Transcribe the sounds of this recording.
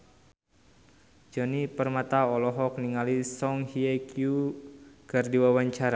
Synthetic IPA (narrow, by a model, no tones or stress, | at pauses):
d͡ʒɔnipərmat̪aɔlɔɦɔk̚niŋalisɔŋhiakju | ɡ̥ardiwawaɲt͡ʃaɾa